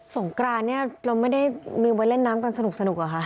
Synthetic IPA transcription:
so˨˩˦ŋkɾaː˧nnːi˥˩ɐɾa˧wma˥˩jda˥˩jmiː˧wa˧nle˥˩nːaː˦˥mka˧nsa˧nu˨˩k̚sa˧nu˨˩k̚ʔa˨˩kʰa˦˥ʔ

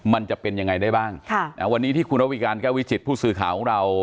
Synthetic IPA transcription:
ma˧nt͡ɕa˨˩pe˧nja˧ŋːa˧jdaː˥˩jbaː˥˩ŋkʰna˦˥wa˧nːiː˦˥t̪ʰiː˥˩kʰu˧nɾa˦˥wi˧kaː˧nkɛː˥˩wi˦˥si˨˩t̪̚pʰuː˥˩sɯː˧kʰaː˨˩˦wkʰɔː˩˦ŋɾa˧w

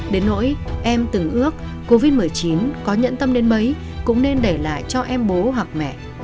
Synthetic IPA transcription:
ɗe˨˦nːo̰˧˥j | ʔɛ˧mt̪ɨ˨˩ŋʔɨ˦˥ək̚ːo˧vi˦˥t̚mɨ˨˩əjt͡ɕi˨˦nkɔ˨˦ɲə̰˧˥nt̪ə˧mɗe˨˦nmə˨˦j | kʊ̰˧˥ŋ͡mne˧nɗe˧˩la̰ː˧˨jt͡ɕɔ˧ʔɛ˧mɓo˨˦ɦwa˨˩k̚mɛ̰˧˨

